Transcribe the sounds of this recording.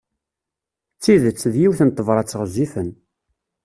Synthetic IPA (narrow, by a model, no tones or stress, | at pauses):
t͡sːiðət͡sːðjiwθənt̪ˤːəvɾˤɑt͡sːəʁzifən